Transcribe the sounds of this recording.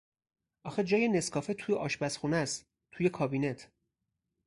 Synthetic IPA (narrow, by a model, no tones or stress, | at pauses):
ʔɒːxed͡ʒɒːjene̞skʰɒːfet̪ʰuːjeʔɒːʃbæsxuːnæst̪ | t̪ʰuːjekʰɒːbiːnet̪ʰ